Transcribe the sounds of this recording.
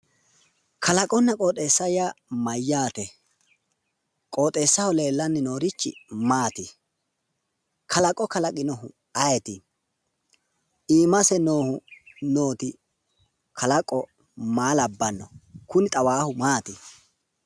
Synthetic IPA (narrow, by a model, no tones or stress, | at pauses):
kʰɐlɐkʼɔnːɐkʼoːt̪ʼeːsːɐjamɐjːaːt̪ɛ | kʼo̞ːt̪ʼe̞ːsːɐhɔle̞ːlːɐnːɪno̞ːɾɪt͡ʃːɪ̰maːt̪ɪ | kʰɐlɐkʼɔkɐlɐkʼɪnɔɦʊ̰ | ɐjɛt̪ɪ | iːmɐsɛno̞ːhʊno̞ːt̪ɪ | kʰɐlɐkʼːɔ | maːlɐbːɐnːɔkʊnɪt̪ʼɐwaːhʊmaːt̪ɪ